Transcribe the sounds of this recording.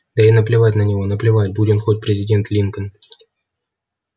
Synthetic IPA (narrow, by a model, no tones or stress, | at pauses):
d̪̥ɐinəplʲɪvatʲnənʲɪvonəplʲɪvatʲbudʲɪnxot̚ʲpɾʲɪzʲɪdʲe̞nt̪lʲinkən